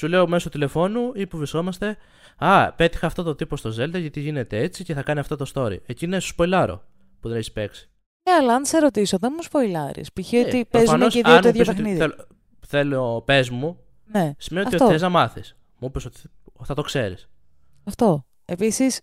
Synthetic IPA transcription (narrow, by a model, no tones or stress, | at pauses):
sule̞o̞me̞sot̪ile̞fo̞nuipuvɾiskomɐst̪e̞ | ɐpe̞t̪i̥xɐːft̪o̞t̪ot̪ipo̞st̪o̞ze̞ld̪ɐʝɐt̪iʝine̞t̪e̞et͡sice̞θɐkɐniɐft̪o̞t̪o̞st̪o̞ɾḭecinesu̥spo̞ilɐɾo̞̰ | puðe̞neçi̥spe̞ksi̥ | eɐlɐɐnt̪seɾo̞t̪isoðenmuspo̞ilɐɾḭspiçiot̪ipoezɐmnoseðioneðjos̬t̪ɐoxniðiel | θe̞lope̞zmu | nesi̥mnioiot̪eznɐmɐθis | muipeso̞t̪i̥ | θɐt̪okse̞ɾḭs | ɐft̪o | episis